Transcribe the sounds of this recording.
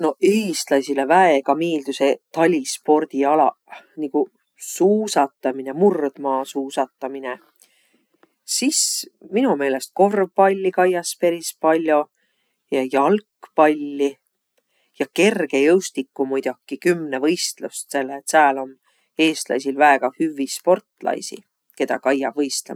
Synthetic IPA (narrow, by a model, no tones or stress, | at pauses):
no̞eːst̪lɑsilevæeɡɑmeːld̪̥use̞t̪ɑlʲispo̞rd̪̥iɑlɑ̰ | niku | suːsɑt̪ːˑɑmine̞murd̪̥mɑːsuːsɑt̪ːˑɑmine̞ | sisminume̞ːle̞st̪̚ko̞rvpɑlʲːikɑjɑspe̞ɾispɑlʲːjo̞ | jɑjɑlkːpɑlʲːi | jɑke̞rɡ̥e̞jɤwst̪ikːumujd̪̥okːˑikymːnevɤ̞jst̪lust̪se̞lːet̪sæːlo̞m | e̞ːst̪lɑ̰jsilvæeɡ̥ɑhyvːispo̞rt̪lɑ̰jsḭ | ke̞d̪̥ɑ̰kɑjːɑb̥vɤjst̪le